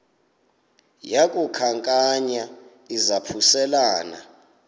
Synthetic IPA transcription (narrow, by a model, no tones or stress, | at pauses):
jakʼukʰaŋkʼaɲa | izapʰusɛlaːna̰